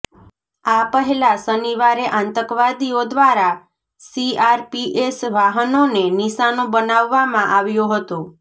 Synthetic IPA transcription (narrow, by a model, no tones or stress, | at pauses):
apəɦɛlasəniʋaɾeʔãnt̪əkʋad̪iod̪ʋaɾa | siaɾpiʔesʋaɦənoneniʃanobənaʋːamãʔaʋjoɦət̪o